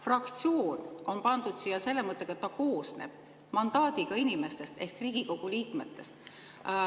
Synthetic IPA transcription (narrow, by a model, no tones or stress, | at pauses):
frɑkt̪sio̞ːno̞npɑnd̪̥ud̪̥sijɑse̞lːemɤt̪ːˑekɑet̪ːɑko̞ːsnḛb̥ | mɑnd̪ɑːd̪iɡ̥ɑinʲime̞st̪e̞st̪e̞hkriːɡ̥iko̞ɡ̥uliːkme̞t̪ːe̞st̪